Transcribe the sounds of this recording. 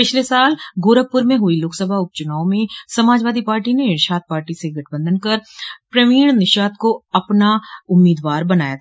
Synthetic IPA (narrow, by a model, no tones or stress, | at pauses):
pɪt͡ʃʰlesaːlɡoːɾəpːʊɾmẽɦʊiloːksəbʱaʊp̚t͡ʃʊnaːõmẽsɐmaːd͡ʒʋaːd̪ipaːɾʈinenɪʃaːt̪̚paːɾʈiseɡʱɐʈʰbə̃nd̪ənkɐɾpɾɐʋiːɳ̃nɪʃaːt̪koɐpnaʊmːiːd̪ʋaːɾbɐnaːjat̪ʰː